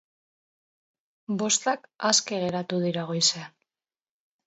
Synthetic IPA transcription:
bo̞st̪akaske̞ɣe̞ɾat̪uðiɾaɣ̞o̞jsea

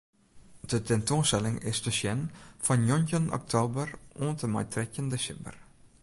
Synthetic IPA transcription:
dətɛntonstɛlɪŋɪ̰sdəʃɛnfɑnjɔncənɔ̰k̚tʰoːbəroːntəmɛ̰jtrɛkəndəʃɪbə̰r

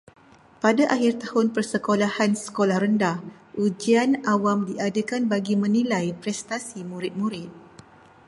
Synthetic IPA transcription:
padaʔaɦɪrt̪ahʊnpərsəkolahansə̥kolahɾəndah | ʔud͡ʒianawamdiadakanbaɡimə̃nilajpɾɛst̪asimũɾɪt̪̚muɾɪt̪̚

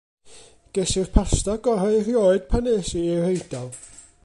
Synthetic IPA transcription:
ɡ̥ɛsɪrpʰastaɡɔɾaɨrjoːɨd̥̚pʰaneːsiirejd̥alˠ

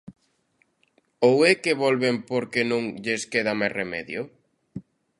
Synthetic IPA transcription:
owekeβolβempoɾkenũŋʎeskeðamajremɛ̰ðjo

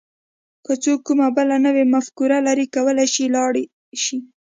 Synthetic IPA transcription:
kət͡sokːumabəlanəwemafkuɾalaɾikawəlajʃilɑɽi | ʃi

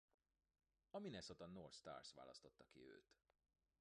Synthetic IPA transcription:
ɒminɛsot̪ɒnːorst̪a̰ːrsʋa̰ːlɒ̰st̪o̞t̪ːɒkiø̰ːt̪

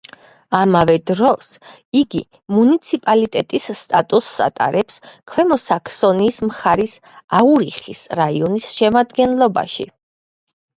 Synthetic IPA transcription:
amavɛd̪ɾɔs | iɡi | munit̪sʰipʼalit̪ʼɛt̪ʼisːt̪ʼat̪ʼusːa̰t̪ʼa̰ɾɛpskʰwɛmɔsakʰsɔniːsmχaɾis | auɾiχisɾaiɔnisʃɛmad̪ɡɛnlˠɔba̰ʃḭ

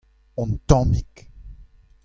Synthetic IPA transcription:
ɔ̃nt̪ɔ̃mik

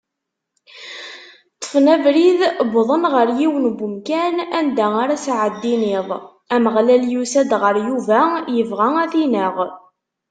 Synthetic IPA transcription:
t̪ˤːə̥fnævɾiðbðˤənʁəɾjiwənbumkænænd̪æaɾasʕəd̪ːinɪðˤ | æməʁlæljusæd̪ʁəɾjuvæjəvʁææθinəʁ

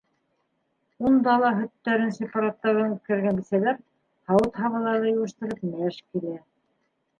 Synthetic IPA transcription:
und̪ɑlˠɑɦɵ̆t̪ːæɾɘnsepɑɾat̪ːɑɾɤnut̪̚kɘ̆ɾɡænbisælæɾ | hɑwɤt̪hɑβɑlˠɑɾðɤjŭwɤ̆ʃt̪ɤ̆ɾɤpmæʃkilæ

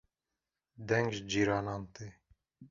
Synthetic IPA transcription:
d̪ɛŋɡʒd͡ʒiɾɑnɑnt̪i

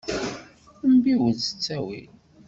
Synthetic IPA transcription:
mbiwəzə̥t͡sːæwḭl

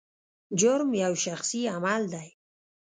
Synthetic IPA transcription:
d͡ʒʊɾmjawʃaxsiamald̪aj

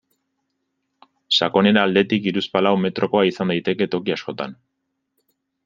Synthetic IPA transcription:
sako̞ne̞ɾaːld̪e̞t̪ikiɾuspalawme̞t̪ɾʔo̞ko̞aisand̪ajt̪e̞ke̞t̪o̞kiasko̞t̪a̰n

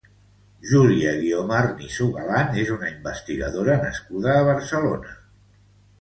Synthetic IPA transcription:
ʒuliəɣiomarnisuɣalanezunəimbəst̪iɣə̰ðoɾənəskuðəːβ̞əɾsəlonə

